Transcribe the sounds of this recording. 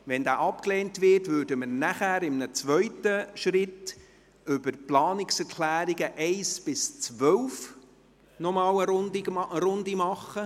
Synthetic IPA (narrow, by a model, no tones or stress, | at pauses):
ʋɛnd̪aːʔɑpkleːntʋɪrtvʏːdəmənæχæːɾɪmnət͡sʋœɥtəʃɾɪt | ʏbəɾplɑːnɪksɛɾkʰlæːɾiɡəʔɛɪsb̥ɪst͡sʋœwf | nɔmɑːləɾʊnd̪iʔəɾʊnd̪imɑχːə